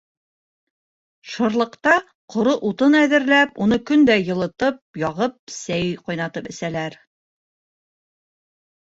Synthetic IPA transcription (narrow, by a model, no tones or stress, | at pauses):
ʃŏɾlˠɤ̆qt̪ɑ | qŏɾɤʔut̪ɤnæðɘ̆ɾlæpunɤkɵnd̪æjɤ̆lˠɤ̆t̪ɤp̚jɑʁɤp̚sæjqɑjnɑt̪ɤpɘ̆sælæɾ